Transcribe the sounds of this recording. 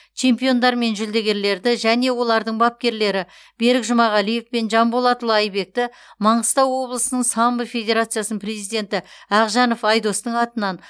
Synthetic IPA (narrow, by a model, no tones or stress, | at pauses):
t͡ʃʰe̞mpijo̞nd̪ɑɾme̞nʒʏld̪e̞ɡʲe̞ɾle̞ɾd̪ɪʒæne̞wo̞lˠɑɾd̪əɴbɑp̚kʲe̞ɾle̞ɾɪ | b̥e̞ɾɪkʒʊmɑʁɑlije̞fpe̞nʒɑmbolˠɑt̪əlˠɑjbe̞k̚t̪ɪ | mɑɴəst̪ɑwːo̞blˠəsənəɴsɑmbəfʲe̞d̪ʲe̞ɾat̪sɨjasənəpre̞zijd̪ʲe̞nt̪ɪæʁʒɑno̞fɑjd̪o̞st̪əɴɑt̪ənɑn